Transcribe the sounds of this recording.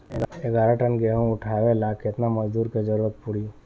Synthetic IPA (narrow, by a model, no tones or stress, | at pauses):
eɡaːɾaʈənɡeɦũʊʈʰaʋelakɪt̪naməd͡ʒd̪uːɾked͡ʒəɾuːɾət̪̚pʊɽiː